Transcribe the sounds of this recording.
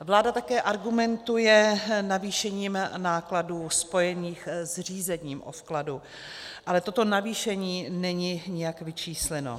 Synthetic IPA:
vlaːdat̪akɛːʔaɾɡumɛnt̪ujɛnaviːʃɛɲiːmnaːkladuːspo̞jɛɲiːxzr̝iːzɛɲiːmʔo̰fkladu | ʔalɛt̪o̞t̪o̞naviːʃɛɲiːnɛɲiɲɪjakvɪt͡ʃiːslɛno̰

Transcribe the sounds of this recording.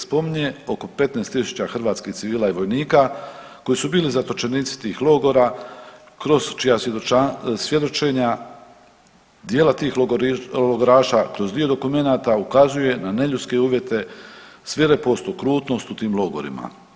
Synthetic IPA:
spo̞miɲeo̞ko̞pe̞t̪nest̪isu̥t͡ɕaxr̩ʋaːt̪skixt̪siʋiːlaiʋo̞jniːka | ko̞jisubiːlizat̪ot͡ʃe̞niːt̪si̥t̪iːxlˠo̞ɡo̞ɾa | kɾozt͡ʃijaoasje̞d̪o̞t͡ʃe̞ɲa | d̪jeːlat̪iːxloɡoɾaːʃakɾo̞zd̪io̞d̪o̞kume̞naːt̪aukazuje̞nane̞ʎut̪ske̞uːʋje̞t̪e̞sʋeɾepo̞st̪okɾuːt̪no̞st̪ut̪iːmlˠo̞ɡo̞̰ɾḭma̰

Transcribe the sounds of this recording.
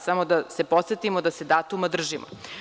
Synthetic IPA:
samo̞d̪ase̞po̞t̪set̪imod̪ase̞d̪aːt̪umad̪r̩ʒimo̰

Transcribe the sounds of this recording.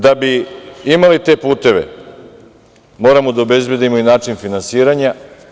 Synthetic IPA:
d̪abiimalit̪e̞ːpuːt̪e̞ʋḛ | mo̞ːɾamod̪aobe̞zbje̞d̪imo̞inaːt͡ʃinfinansiːɾaɲa

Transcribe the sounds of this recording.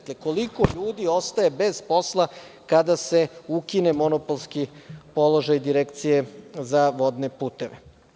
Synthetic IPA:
kleko̞liko̞ʎuːd̪io̞st̪aje̞be̞zpo̞slˠa | kad̪ase̞ukine̞mo̞no̞polˠskipo̞lo̞ʒajd̪iɾekt̪sije̞zaʋo̞d̪ne̞puːt̪e̞ʋe

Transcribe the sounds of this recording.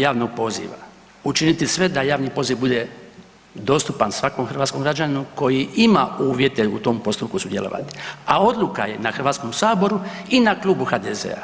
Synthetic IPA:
jaːʋnoɡ̚po̞zḭʋa̰ | ut͡ʃinit̪isʋe̞d̪ajaːʋniːpo̞ziʋbud̪e̞ | d̪o̞ːst̪upansʋako̞ːmxr̩ʋat̪skomɡɾad͡ʒaninuko̞jiʔimauːʋje̞t̪e̞ut̪o̞ːmpo̞st̪upkusud̪jelo̞̰ʔa̰t̪i̥ao̞d̪lˠuka̰je̞naxɾrʋaːt̪sko̞msaːbo̞ɾu | inaklˠuːbuxad̪ezḛa̰

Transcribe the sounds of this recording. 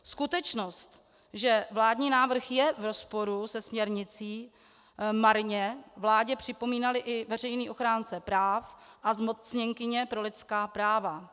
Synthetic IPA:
skut̪ɛt͡ʃnost̪ | ʒɛvlaːdɲiːnaːvr̩xjɛvɾo̞spo̞ɾusɛsmɲɛɾɲɪt͡siː | maɾɲɛvlaːɟɛpr̥ɪpo̞miːnalɪʔɪvɛr̝ɛjniːʔo̞xɾaːnt͡sɛpɾaːfʔazmo̞t͡sɲɛŋkɪɲɛpɾo̞lɪt̪skaːpɾaːva

